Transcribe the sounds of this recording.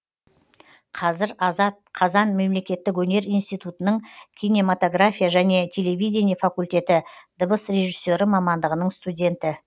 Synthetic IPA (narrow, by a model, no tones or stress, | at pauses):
qʰɑzɪɾɑɑt̪̚qʰɑzɑnme̞mle̞kʲe̞t̪ːɪk̬wɵne̞ɾijnst̪ijt̪ut̪ənəɴkʲʰijne̞mat̪o̞ɡrafʲijaʒæne̞t̪ʲʰe̞le̞vijd̪ʲe̞nijafakulʲt̪e̞t̪ɪd̪əbəsɾe̞ʒisːo̞ɾɪmɑmɑnd̪əʁənəɴst̪ud̪ʲe̞nt̪ɪ